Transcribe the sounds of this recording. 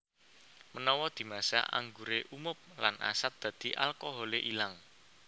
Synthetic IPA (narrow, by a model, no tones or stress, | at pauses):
mənɔwɔd̪̥i̤masa̰ʔa̰ŋɡuɾeʔumʊp̚la̰nʔa̰sat̪̚d̪̥ä̤d̪̥i̤ʔalkɔɦɔleʔilaŋ